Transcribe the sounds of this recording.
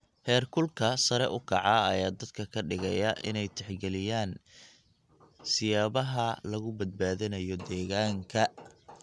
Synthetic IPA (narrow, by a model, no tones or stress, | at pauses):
hɛːrkʰʊlkʰɐsɐɾɛʔʊkʰɑʕɑɐjaːd̪ɐd̪kʰɐkʰɐɖɪɣɛjɐʔɪnɛjt̪ʰɛħɡɛlɪjaːn | sɪjaːβɐɦɐlɐɣʊbɐd̪̚baːðɪnɐjɔd̪ɛːɣaːŋkʰɐ